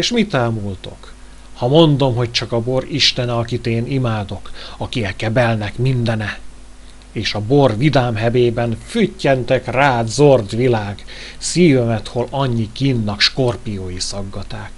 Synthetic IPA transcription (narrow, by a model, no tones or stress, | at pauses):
eːʃmit̪aːmult̪o̞k | hɒmo̞nd̪o̞mɦo̞c̚t͡ʃɒkɒbo̞riʃt̪ɛnɛɒkit̪eːnimaːd̪o̞kɒkiɛkːɛbɛlnɛkmind̪ɛnɛ | eːʃɒbo̞rvid̪aːmɦɛveːbɛnfycːɛnt̪ɛkraːd̪zo̞rd̪ʋilaːɡ̥siːvømɛt̪holɒɲːikinːɒkʃko̞rpijoːjisɒɡːɒt̪aːk